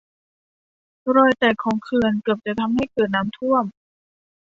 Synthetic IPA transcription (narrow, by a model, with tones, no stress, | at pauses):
ɾɔː˨˩jt̪ɛː˨˩kʰːɔː˩˦ŋkʰɯː˧ənkɯ˨˩əp̚t͡ɕa˨˩t̪ʰa˧mha˥˩jkɤː˨˩t̪̚naː˦˥mt̪ʰu˥˩əm